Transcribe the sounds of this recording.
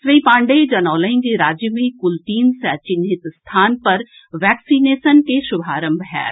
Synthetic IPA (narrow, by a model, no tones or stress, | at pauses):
sʋiːpãːɳɖeːd͡ʒɐnɔːlɐɪ̃nd͡ʒiɾaːd͡ʒjəmĩkʊlʈiːnsɛːt͡ʃɪnɦɪt̪st̪ʰaːnpɐɾ | ʋɛːksiːneːsənkeʃʊbʱaːɾə̃mbɦɛ̰ːɾ